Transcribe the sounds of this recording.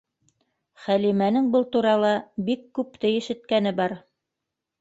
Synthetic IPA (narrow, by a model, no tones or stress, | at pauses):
χælimænɘŋbɤlˠt̪uɾɑlˠɑbikːʉpt̪ɘjɘ̆ʃɘ̆t̪̚kænɘbɑɾ